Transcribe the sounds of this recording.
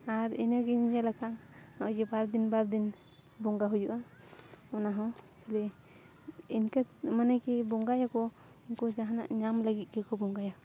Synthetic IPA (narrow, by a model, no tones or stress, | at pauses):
aɾɛnaɡɛɲiɲalakʰanaʔd͡ʒɛbaɾd̪inbaɾd̪in | bɔŋɡaɦud͡ʒuʔa | ɔnaɦɔ̃kʰɛlɛ | inkamanakɛbɔŋɡajakɔ | inkɔd͡ʒaɦana̰ʔɲamlaɡit̪̚kɛkɔbɔŋɡaja